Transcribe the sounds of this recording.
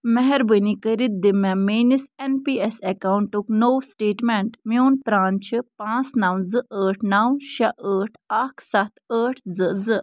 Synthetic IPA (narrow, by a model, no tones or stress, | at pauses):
mɛɦɛɾbənikəɾit̪̚d̪imameːnisenpiːesekawuɳʈuknoːwsʈeːʈmeɳʈmjoːnpɾaːnt͡ʃʰipãːt͡snawnzɨʔəːʈʰnawnʃɐʔəːʈʰakʰsɐt̪ʰəːʈʰzɨzɨ